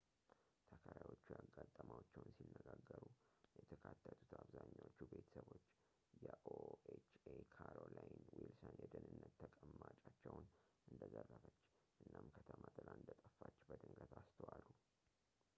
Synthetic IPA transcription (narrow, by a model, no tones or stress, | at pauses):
t̪ʰəkʰaɾawo̞t͡ʃːujaɡːat̪ʼːəmawot͡ʃːɛwnsinːəɡaɡːəɾujɛt̪ʰəkʰat̪ʰːət̪ʰu̥t̪ʰaβzaɲːawot͡ʃːube̞t̪ʰə̥səβo̞t͡ʃː | jɛʔoet͡ʃekʰaɾolajɪnwilsənjɛd̪ənɨnːət̪ʰːəkʼəmːat͡ʃʼat͡ʃːɛwnʔɨnd̪əzərːəfət͡ʃː | ʔɨnːamkʰət̪ʰəmat̪ʰɨlaɨnd̪ət̪ʼəfːat͡ʃːbəd̪ɨŋɡət̪ʰast̪ʰəwalu